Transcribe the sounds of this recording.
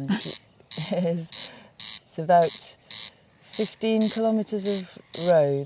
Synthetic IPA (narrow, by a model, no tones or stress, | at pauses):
ɪz | səbaʊt | fɪftĩnkʰɪlɒmɪtəzəvɹəʊ